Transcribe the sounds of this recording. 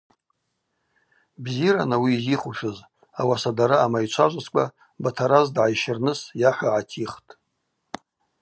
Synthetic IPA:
bziɾanawiːziχuʃʊz | awasadaɾaːmajt͡ʃʷʰaʒʷaskʷʼa | batʰaɾazdʕajʃɪrnɨsjaħʷaʕatʰiχtʼ

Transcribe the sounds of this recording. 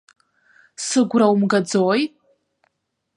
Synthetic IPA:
sɨɡʷrawmɡad͡zoj

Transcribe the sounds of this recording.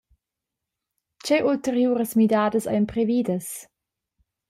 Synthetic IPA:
t͡ʃeʔult̪eɾjuːɾəsmidaːdəsɐ̰jmpɾeviːdəs

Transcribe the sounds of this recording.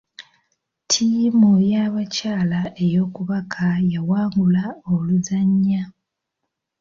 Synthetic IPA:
tʰimujaβacaːlae̞jo̞ːkuβakʰajawaːŋɡulaoluzaɲːa

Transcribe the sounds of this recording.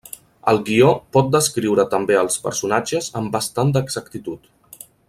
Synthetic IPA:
ə̰lˠɡiɔpɔt̪̚d̪əskɾiwɾət̪əmbeəlˠspə̰ɾsunad͡ʒəzəmbəst̪and̪əɡz̥əkt̪it̪ut̪

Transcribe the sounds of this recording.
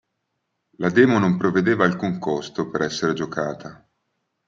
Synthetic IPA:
lad̪ɛːmonompɾoved̪eːvaːlkuŋkost̪opeɾɛsːeɾed͡ʒokaːt̪ʰa

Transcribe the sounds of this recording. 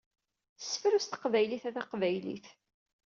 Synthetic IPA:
θə̥sːəfɾust̪ə̥qvæjliθæðæqvæjlḭθ

